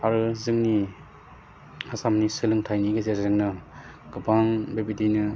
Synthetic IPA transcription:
aɾɯzɯŋni | hasamnisɯlɯŋtʰajniɡezezzɯŋnɯ | ɡ̥ɯpanbebidinɯ

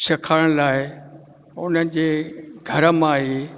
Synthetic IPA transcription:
sɐkʰaːɽ̃laːɪ | ʊnənɪ̆d͡ʑeːɡʱɐɾəmãɦe

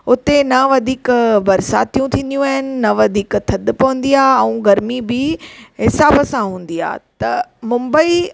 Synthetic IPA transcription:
ʊt̪enɐʋɐd̪ʱiːkbɐɾsa̰ːt̪ijũt̪ʰĩːn̆d̪ijũaːɦɪnɪ̆nɐʋɐd̪ʱiːkt̪ʰɐd̪pɐʋə̃n̆d̪ijaːɛ̃ũɡɐɾmibɪɦɪsaːbəsãɦũːn̆d̪ia̰ːt̪ɐmʊ̃mbəi

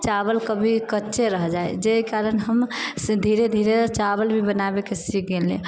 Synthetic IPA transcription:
t͡ʃabəlkəbʱikətːʃʰeɾəɦd͡ʒaed͡ʒekaɾənɦəmd̪ʱiɾed̪ʱiɾet͡ʃabəlbʱibənabekesik̚ɡelḛ̃

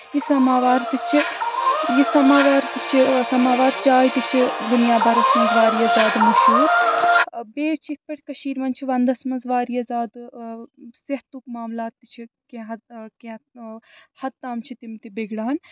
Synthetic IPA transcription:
jisɐmaːʋaːɾt̪it͡ʃʰi | jisɐmaːʋaːɾt̪it͡ʃʰisɐmaːʋaːɾt͡ʃaːjt̪it͡ʃʰid̪unjaːbɐɾɐsmɐnzʋaːɾijɐzaːd̪mɐsiːɾ | beːt͡ʃʰit̪̚ʰpɐʈʲikɐʃiːɾmɐnt͡ʃʰiʋɐnd̪ɐsmɐnzʋaːɾijɐzaːd̪ | seɦt̪ukmaːmlaːt̪ːit͡ʃʰikeɦkẽ | hɐt̪ːaːmt͡ʃʰit̪imt̪ibeɡɽaːn

